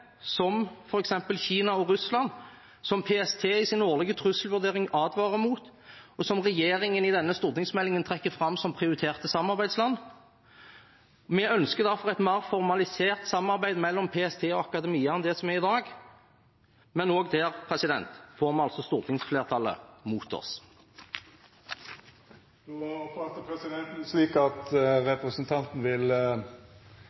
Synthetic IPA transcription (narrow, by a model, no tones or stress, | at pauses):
sɔmfɔɾɛksɛmpəlçiːnɑɔɾʉslɑn | sɔmpʰeɛst̪ʰeːɪsɪnoːʁlɪɡət̪ʰʁʉsəlʋʉʁd̪eːʁɪŋɑːd̪ʋɑːʁəmuːt̪ɔsɔmʁɛjeːɾɪŋənɪd̪ɛnːəst̪ʊʁt̪ɪŋsmɛlːɪŋənt̪ʰʁɛkːəfʁɑmsɔmpʰʁɪʊɾɪt̪ʰeːʁt̪əsɑmːɑʁbæɪd̪slɑnː | mɛœnskəʁd̪æʁfɔʁɛɪt̪mæːʁfɔʁmɑlɪseːʁt̪sɑmɑʁbæɪd̪mɛlːɔmpʰeːɛst̪ʰeːɔɑkɑd̪ɛmiːəɛnd̪ɛsɔmæʁɪd̪ɑːɡ | mɛnoːɡd̪ɛːʁpʰʁɛsɪd̪ɛnt̪foːʁmɛnɑlsɔst̪uːʁt̪ʰɪŋsfleːʁt̪ʰɑlːə̰muːt̪ɔ̰s | d̪ɑfɑt̪ːəpʰɾɛsɪd̪ɛnt̪n̩sliːkɑt̪ɾɛpɾəsnt̪ʰɑnt̪n̩ʋɪl